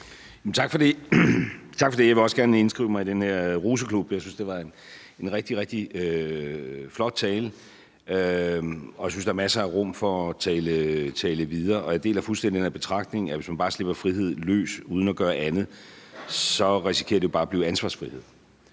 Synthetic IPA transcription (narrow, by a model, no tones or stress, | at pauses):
jmnt͡sʰɑ̈ɡ̥fɒ̽de̝ | t͡sʰɑ̈ɡ̥fɒ̽d̥e̝jɑ̈ɪʋe̝ɒ̽sɡ̥æɐnəe̝nsɡ̥ʁiʊ̰mɑ̈ɪid̥enheɐ̰ʁuːs̬əkʰlub̥jɑɪsynsd̥e̝ʋɑ̈e̝n | e̝nʁɛɡ̥̚d̥iʁɛɡ̥̚d̥iø | flɒ̽d̥̚t͡sʰɛːlə | ø | ɒ̽jaɪsynsd̥ɑ̈æɐmæsɐæʁɔm̰fɒ̽t͡sʰɛːlət͡sʰɛːləʋið̞ˠɐːɒ̽æɐd̥e̝̰ːlæfulsd̥endid̥eeɐb̥e̝t͡sʰʁɑ̈ɡ̥̚d̥ne̝ŋæʋe̝smænbɑ̈ːsle̝b̥ɐfʁiɦe̝ð̞̰ˠlø̰ːsuːð̞ˠn̩ɒɡ̥ɶːɐʔænð̞̩ˠ | sɒ̽ʁisikʰḛɐd̥ejo̝b̥ɑ̈ːb̥liːʊænsʋɑ̈ːsfʁihe̝ð̰ˠ